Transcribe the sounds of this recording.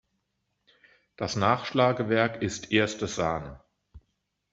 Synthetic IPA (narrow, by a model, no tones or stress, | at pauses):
d̥asnaːχʃlaːɡəvɛɐkɪstʰʔeːɐstəzaːn